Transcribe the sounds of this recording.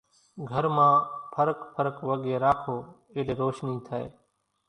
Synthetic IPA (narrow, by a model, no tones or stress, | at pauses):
ɡʱəɾmãːpʰəɾəkpʰəɾəkʋəɠeːɾaːkʰoː | ɪːleːɾoːʃniːt̪ʰəḛː